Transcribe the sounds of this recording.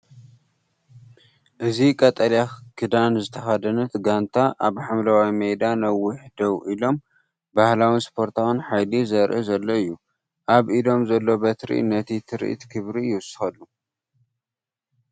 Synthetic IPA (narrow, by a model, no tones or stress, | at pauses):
ʔɨzikʼɐt̪ʼɐljakʰɨd̪anzɨt̪ʰɐxad̪ɐnɐt̪ɡant̪ʰaʔaβħamlɐwajimejd̪anɐwːʊħd̪ɐwʔilo̞m | bahlawinspʰo̞ɾt̪ʰawɨnħajlizɐɾʔɨzɐlːo̞ɨjːu | ʔaβʔilo̞mzɐlːo̞bɐt̪ɾḭḭnɐt̪ʰit̪ʰɨɾ̰ʔt̪kʰɨβɾijɪwʊsɨ̥xɐlːu